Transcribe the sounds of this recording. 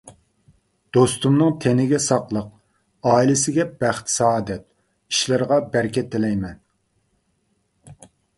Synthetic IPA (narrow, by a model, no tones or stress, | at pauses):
d̪̥ost̪umnɨŋt̪ʰenɪɡʲɛsɑqlˠəq̚ | ɑːilɪsɪɡʲɛb̥æχt̪ʰsɑːd̪ɛt̪̚ | i̥ʃlɪɾʁɑbæɾkʲɛt̪ʰːɪlɛjmɛn